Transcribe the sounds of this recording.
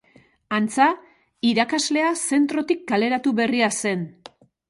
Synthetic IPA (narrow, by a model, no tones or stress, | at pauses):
ant͡sa | iɾakazle̞ase̞nt̪ɾo̞t̪ik̚ɡale̞ɾat̪uβe̞riase̞n